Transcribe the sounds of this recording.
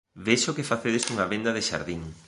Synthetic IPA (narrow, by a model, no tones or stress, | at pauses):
βeʃokɪfaθeðest̪uŋɐβend̪ɐðɪʃa̰ɾðiŋ